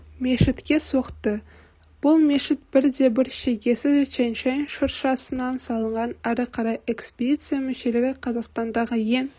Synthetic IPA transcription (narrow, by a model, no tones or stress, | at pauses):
me̞ʃɪt̪kʲe̞so̞qt̪ə | b̥ʊlˠme̞ʃɪt̪̚b̥ɪɾd̪e̞bɪɾʃeɡʲe̞sɪzt͡ʃʰenʃejnʃʊɾʃɑsənɑnsɑlˠəɴʁɑnæɾɪqʰɑɾɑje̞kspʲed̪it̪sɨjamɪʃe̞le̞ɾɪqʰɑzɑqst̪ɑnd̪ɑʁəje̞n